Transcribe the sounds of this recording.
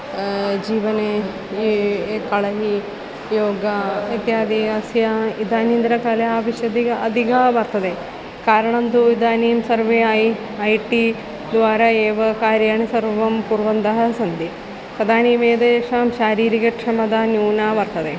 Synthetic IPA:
d͡ʒiːʋɐne | kɐɭɐɦi | joːɡɐɐt̪jaːd̪iɐsjɐid̪aːniːnd̪ɾɐkɐlɐaːʋiʃjɐd̪iɡɐɐd̪ʱiɡɐʋɐɾt̪ɐd̪eː | kaːɾɐɳɐnd̪uid̪aːniːmsɐɾʋeːj | ɐjʈi | d̪ʋaːɾɐeːʋɐkaːɾjaːɳisɐɾʋɐmpuɾʋɐnd̪ɐɦɐsɐnd̪i | sɐd̪aːniːmeːd̪eʂaːmʃaːɾiːɾikɐkʂɐmɐd̪aːnjuːnaːʋɐɾt̪ɐd̪eː

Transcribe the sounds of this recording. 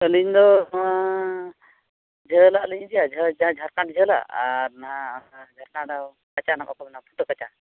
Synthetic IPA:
əliɲd̪ɔ | d͡ʒʱəlaʔəliɲd͡ʒijad͡ʒəãd͡ʒʱaɾkaʈd͡ʒʱəla̰aɾnad͡ʒʱaɾkadaw | kat͡ʃanakɔkɔbnapʰut̪əkat͡ʃa

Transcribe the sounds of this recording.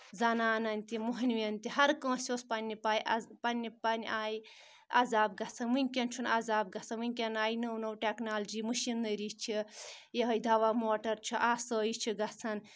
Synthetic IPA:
zɐnaːnɐnʲt̪imuɦnʋiɐnʲt̪iɦɐɾkə̃ːsʲoːspɐnʲːipaːjʔɐpɐnʲːipɐnʲaːji | a̰zaːb̚ɡɐt͡sʰɐnmɨnʲkʲɐnt͡ʃʰunazaːb̚ɡɐsʰɐnʋɨŋʲkʲɐnaːjinɐwnɐwʈeknaːld͡ʒimɨʃinːɐɾit͡ʃʰijɐɦɐjd̪ʱɐʋamoːʈɐɾt͡ʃʰiʔaːsəːjit͡ʃʰiɡɐt͡sʰɐn

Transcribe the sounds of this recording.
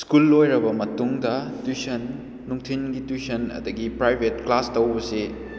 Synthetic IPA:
skulːojɾɐbɐmɐtuŋdɐtusɐnː | uŋtʰinɡitusɐnɐ̰d̪ɐɡipɾajbʱetklastɐwbɐse

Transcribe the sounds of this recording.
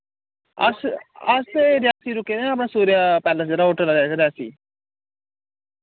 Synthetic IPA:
ə̰səseɾɪjaːsiːɾʊkeːnəpɳaːsuːɾɪjaːpɛːləsd͡ʒəɾaːɦoːʈəlaɾaːɾɪjaːsḭː

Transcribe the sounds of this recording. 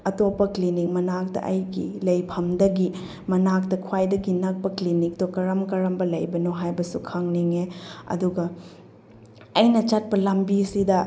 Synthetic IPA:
ɐtopːɐklinik̚mɐnak̚tɐ̰ʔɐ̰jɡḭlɐjpʰɐmdɐɡi | mɐnak̚tɐkʰwajdɐɡinak̚pɐklinik̚tokɐɾɐmkɐɾɐmbɐlɐjbɐnoɦajbɐsukʰaŋniŋeɐ̰duɡɐ | ɐjnɐt͡ʃɐt̚pɐlɐmbisidɐ

